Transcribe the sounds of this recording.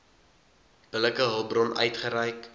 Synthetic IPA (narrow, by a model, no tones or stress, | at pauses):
b̥ələkəɦəlˠbrɔnʔœ̰ɥtχəɾɛjk